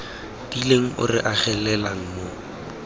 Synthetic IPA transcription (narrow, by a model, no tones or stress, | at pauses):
d̥ileŋ̩ʔʊ̰rɪ̰ʔaχɛlɛlaŋ̩mo